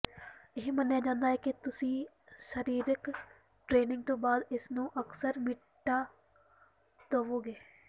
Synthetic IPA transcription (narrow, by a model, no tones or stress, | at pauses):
ɪɦimɛ̃njed͡ʒãːnd̪aːɦɛket̪ʊsĩ | ʃəɾiːɾɪk | ʈɾeːnɪ̃ŋɡ̚t̪õːbaːd̪ɪsnõːʔəksəɾmɪ | ʈːa | t̪oːʋoːɡeː